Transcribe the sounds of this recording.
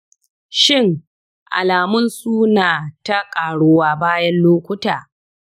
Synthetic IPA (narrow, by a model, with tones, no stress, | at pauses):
ʃɪ˦˨ŋ | ʔa̰˨laː˨mʊ˦nsuː˦naː˨ta˦kʼaː˨ɽoː˦waː˦baː˦jɐ˦nloː˦kʷʊ˦taː˨